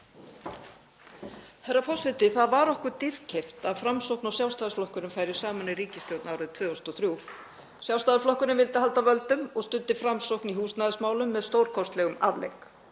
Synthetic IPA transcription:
θɛrːapʰɔsɪt̪ɪθaðvaɾɔhkʏɾt̪iɾ̥cʰejft̪aðfɾamsowknawsjawst̪aðɪɾflɔhkʏɾʏmfaːjɾɪ̥saːmaniɾiːcɪst̪jowt̪naawɾʏðt̪ʰvʏːɔst̪ɔθɾju | sjawst̪aðɪflɔhkʏɾɪnvɪlt̪ɪhalt̪avœlt̪ʏmɔɣst̪ʏnt̪ːɪfɾamsowkniɦuːsnaðɪsmaːwlʏmːɛðst̪owɾ̥kʰɔst̪lɛɣʏmavlḛjk

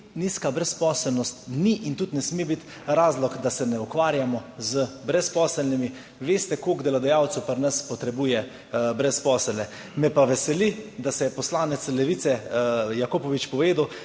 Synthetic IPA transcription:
niːskabɾɛspɔːsɛlnɔst̪niʔint̪ut̪nɛsmeːbit̪ | ɾaːzlɔkd̪asɛnɛukʋaːɾjamɔzəbɾɛspɔːsɛlnimi | ʋeːst̪ɛkokd̪ɛlad̪ajaːwt̪supəɾnəspɔt̪ɾɛbuːjɛ | bɾɛspɔːsɛlnɛ | mɛpaʋɛsɛlid̪asɛjɛpɔslaːnɛt̪slɛʋit̪sɛjakoːpɔʋit͡ʃpɔʋeːd̪uw

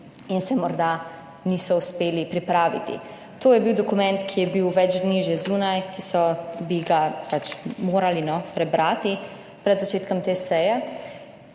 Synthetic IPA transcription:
insɛmɔɾd̪a | niːsɔuspeːlipɾipɾaːʋḭt̪ḭ | t̪oːjɛbiwd̪ɔkumɛnt̪kʰijɛbiwʋɛd͡ʒd̪niːʒɛzuːnajkisɔbiɡapat͡ʃmoːɾalinɔpɾɛbɾʔaːt̪i | pɾɛd̪zat͡ʃeːt̪kɔmt̪eːsɛjɛ

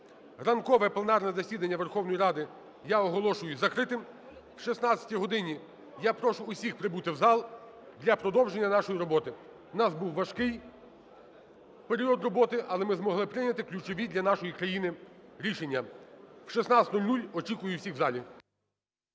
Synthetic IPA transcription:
rɐnkɔʋɛplˠenɑrnɛzɐsʲid̪ɐnʲːɐʋerxɔwnɔjiɾɑd̪ɪ | jaɔɦɔlˠɔʃʊjʊzɐkɾɪt̪ɪm | wʃisnɑt͡sʲsʲɐ̥tʲijɦɔd̪ɪnʲi | japɾɔʃʊːsʲixpɾɪbut̪ɪwzɑlˠ | d̪lʲɐpɾɔd̪ɔwʒe̞nʲːɐnɑʃɔjiɾɔbɔt̪ɪ | nɑsbuwʋɐʃkɪj | peɾʲiɔd̪rɔbɔt̪ɪʔɐlˠɛmɪzmɔɦlˠɪpɾɪnʲɐt̪ɪklʲʊt͡ʃɔʋʲid̪ʲlʲɐnɑʃɔjikɾɐjinɪɾʲiʃenʲːɐwʃisnɑsʲt̪ʲnulʲnulʲɔt͡ʃikʊjʊwsʲiɣwzɑlʲi

